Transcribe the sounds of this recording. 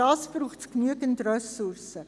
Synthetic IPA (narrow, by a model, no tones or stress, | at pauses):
ɑːsb̥ruːχtsknyəɡəntrœsʊrsə